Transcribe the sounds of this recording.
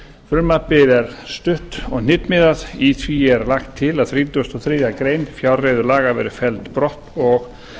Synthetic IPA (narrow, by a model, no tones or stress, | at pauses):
fʏɾmapɪðɛɾ̥st̪ʏht̪ɔɣnɪt̪mɪðaðiθviɛɾlaxt̪ʰːɪlaðθɾiːt̪ʏst̪ɔθɾiːðakɾeːjnfjawrejðʏɾlaːɣavɛ̰ːɾʏfɛlt̪pɾɔht̪ɔɣ